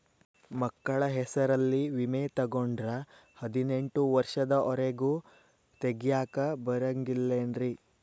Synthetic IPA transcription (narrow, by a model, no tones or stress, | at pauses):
mɐkːɐɭɐɦɛsɐɾɐlːiʋimet̪ɐɡoɳɖɾɐhɐd̪ineɳʈuʋɐɾʂɐd̪ɐʔɔɾeɡu | t̪eɡjaːkɐbɐɾɐŋɡilːenɾi